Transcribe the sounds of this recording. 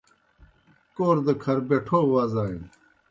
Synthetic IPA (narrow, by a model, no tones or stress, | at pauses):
koːɾd̪ɐkʰɐɾbeʈʰoːwaːzaːĩn